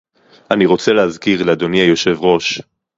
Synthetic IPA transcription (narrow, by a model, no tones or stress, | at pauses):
aniʁo̞t͡selehazkiʁlead̪oniajo̞ʃe̞vʁo̞ʃ